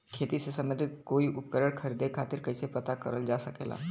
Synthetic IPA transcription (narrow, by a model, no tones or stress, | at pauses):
kʰeːt̪isesɐ̃mə̃d̪ʱɪt̪̚koːiʔʊp̚kəɾəɽ̃kʰɐɾid̪ekʰaːt̪ɪɾkɐɪsepɐt̪akəɾəld͡ʒaːsɐkḛːla̰ː